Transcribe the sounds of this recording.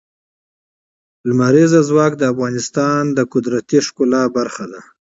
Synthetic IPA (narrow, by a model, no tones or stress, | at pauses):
lmaɾezazwɑk̚d̪əafɣɑnɪst̪ɑnd̪əkʊd̪ɾat̪iʂkʊlɑbaɾxad̪a